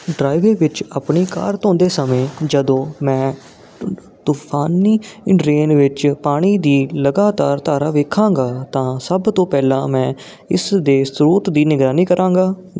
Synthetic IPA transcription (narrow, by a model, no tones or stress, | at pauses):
ɖɾaːɪʋeːʋɪt͡ʃaːpɳiːka̰ːɾt̪õːnd̪eːsəmẽːd͡ʒəd̪õːmɛ̃ː | t̪uːpʰaːniːɾeːnʋɪt͡ʃpaːɽ̃iːd̪iːləɡaːt̪aːɾt̪aːɾaːʋeːkʰãːŋɡaːt̪ãːsəbt̪õːpɛːlãːmɛ̃ː | ɪsd̪eːsɾuːt̪d̪iːnɪɡɾaːniːkəɾãːŋɡaː